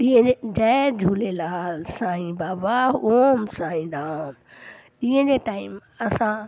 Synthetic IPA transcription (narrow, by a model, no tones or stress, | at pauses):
iə̃ed͡ʑɛd͡ʑʱuːlelaːlsãːɦĩbaːbaoːmsãːĩd̪aãm | ĩɦə̃d͡ʑeʈaːim | ɐsã